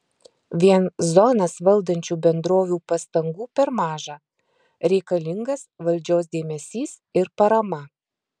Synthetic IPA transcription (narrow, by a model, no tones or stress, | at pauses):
ʋʲiɛnzɔnɐsʋɐlˠd̪ɐnʲt͡ʃʲuːbʲɛnd̪ɾoːʋʲuːpɐst̪ɐŋɡuːpʲɛɾmɑːʒɑː | ɾʲɛɪkɐlʲɪŋɡɐsʋɐlʲd͡ʒʲoːs̬d̪ʲeːmʲɛsʲiːs | ɪɾpɐɾɐmɐ